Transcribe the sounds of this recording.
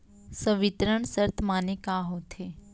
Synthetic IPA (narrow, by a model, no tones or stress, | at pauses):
səʋit̪ɾəɳ̃səɾt̪ʰmaːnikaːɦot̪ʰe